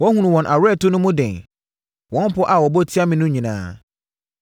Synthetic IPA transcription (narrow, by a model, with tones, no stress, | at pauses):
wɔ̃˦hũ˦nũ˨wɔ̃˨nʔa˨ɾɛ˦˨tʊ˦nʊ̃˦mʊ̃˦dɛ̃˨n | wɔ̃˦m˦pɔ˦ʔa˨wɔ˨bɔ˦tʰi˦a˦mĩ˨nʊ̃˦ɲĩ˨nã̰ː˦